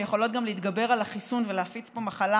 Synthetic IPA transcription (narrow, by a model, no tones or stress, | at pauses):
jeχo̞lo̞t̪̚ɡamliːt̪ɡabe̞ʁalaχisunveleafit͡sbemaχala